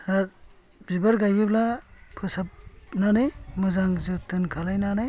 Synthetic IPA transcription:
a | bibaɾɡajɡiblapʰɯsap̚nanemɯzaŋzɯtɯnkʰalajnana

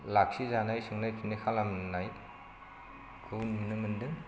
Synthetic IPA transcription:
lak̚sizanajsɯŋnajtʰinikʰalamnaj | kʰɯnnɯmɯndɯŋ

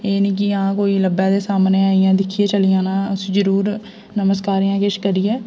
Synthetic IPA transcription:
eːnĩːk̬ɪãːkoːiːləbɛːd̪eːsaːmneːaːijãːd̪ɪkʰːieːt͡ʃəlijãːnãːsd͡ʒəɾuːɾ | nəməskaːɾiːãːkeʃkəɾiːɛː

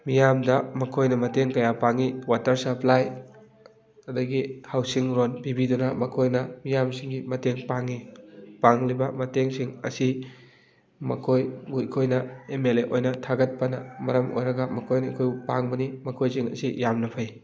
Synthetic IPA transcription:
mijamdɐmɐkʰojnɐmɐteŋkɐjapaŋiwatɐɾsɐplaj | ɐdɐɡihawsiŋɾonbibidunɐmɐkʰojnɐmijamsiŋɡimɐteŋpaŋipaŋlibɐmɐteŋsiŋɐ̰si | mɐ̰kʰojɡukʰojnɐemeleʔojnɐtʰaɡɐt̚pɐnɐmɐɾɐmo̰jɾɐɡɐmɐkʰojnɐkʰojpa̰ŋbɐnimɐkʰojsiŋɐ̰sijamnɐpʰɐj

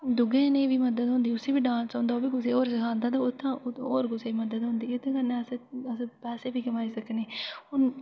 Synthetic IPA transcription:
d̪ʊɡẽːnẽːʋiːməd̪əd̪ɦõːnd̪iːʊseːbiːɖãːnsãːnd̪aːoːbiːkʊseːoːɾsɪkʰãːnd̪aːt̪aːʊt̪ʰːãːoːɾkʊseːməd̪əd̪ɦõːnd̪iːɪt̪ːãkəneːəsẽəsːpɛːseːbiːkəmaːiːsəkneːhʊn

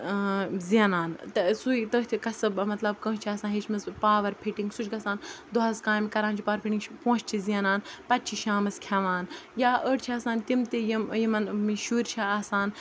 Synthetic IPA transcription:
ziɐnaːnt̪sujt̪ət̪ʰikɐsɐbmɐt̪lɐb̚kə̃ːt͡ʃʰiaːsaːɦet͡ʃʰmɐzpaːʋɐɾpʰiʈiŋɡsut͡ʃʰʲɡɐsaːnd̪oɦɐzkaːjmikɐɾãːnt͡ʃʰipaːʋɐɾpʰiʈiŋt͡ʃʰpõːt͡ʃt͡ʃʰiziɐnaːnpɐt̪̚t͡ʃʰiʃaːmɐskʲʰɐʋaːnjaːʔəːʈt͡ʃʰiaːsaːnt̪imt̪ijimjimɐnmiʃuːɾt͡ʃʰaaːsaːn

